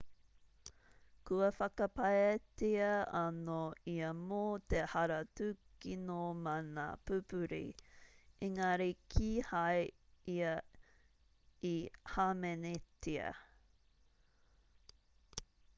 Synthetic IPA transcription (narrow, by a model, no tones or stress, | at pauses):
kʉɐfɐkɐpɐetiɐɐnoiɐmoːt̪ehɐɾɐtʉkinomɐna̰pʉpʉɾḭ | ʔiŋaɾikʰiːhajiɐ | ihaːmɛnetʰiɐ̰